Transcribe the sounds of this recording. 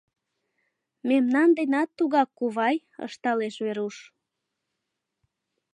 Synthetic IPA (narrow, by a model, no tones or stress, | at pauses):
memnɑnd̪enɑt̪ːuɣɑkːuβɑj | ə̰ʃt̪ɑleʃβeɾuʃ